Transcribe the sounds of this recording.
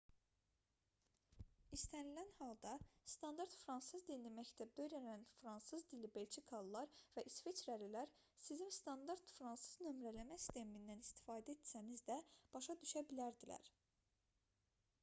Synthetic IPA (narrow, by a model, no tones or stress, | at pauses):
ist̪ænilænhɑlˠd̪ɑst̪ɑnd̪ɑɾt̪fɾɑnsɯzd̪inlimæct̪ʰæb̚d̪ø̞ɾænænfɾɑnsɯzd̪ilibelʲt͡ʃʰikʰɑlˠːɑɾvæʔisvet͡ʃɾælilæɾ | sizimst̪ɑnd̪ɑɾt̪fɾɑnsɯznø̞mɾælæmæsi̥st̪ʰe̞mind̪ænist̪i̥fɑːd̪æet̪sænizd̪æb̥ɑʃɑd̪yʃæbilæɾd̪ilæ̰ɾ